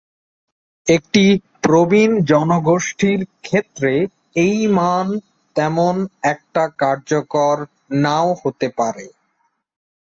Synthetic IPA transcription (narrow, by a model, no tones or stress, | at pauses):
ek̚ʈi | pɾobind͡ʑɔnoɡoʃʈiɾkʰet̪ːɾe | ejman | t̪ɛmonɛk̚ʈakaɾd͡ʑokoɾ | naohot̪epaɾe